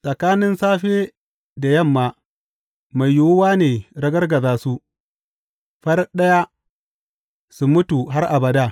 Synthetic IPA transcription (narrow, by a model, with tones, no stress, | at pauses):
sʼɐ˨kaː˦nɪ˦nsaː˦ɸeː˦ | da˨jɐ˦˨mːaː˨ | ma˨jːʊ˨wʊ˦waː˦neː˨ɾɐ˦ɡɐ˦rɡɐ˨zaː˦su˦ | ɸɐ˦rɗɐ˦ja˦ | su˨mʊ˦tu˨ɦa˦rʔa˨bɐ˨daː˦